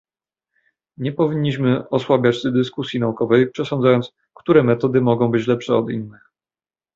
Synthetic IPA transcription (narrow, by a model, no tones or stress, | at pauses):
ɲɛpɔvʲiɲːiɕmɘɔswabʲjat͡ɕsd̪ɘskusʲjinaukɔvɛjpʂɛsɔnd̪zajɔnt̪s | kt̪uɾɛmɛt̪ɔd̪ɘmɔɡɔ̃w̃bɘt͡ɕlɛpʂɛɔd̪ḭnːɘx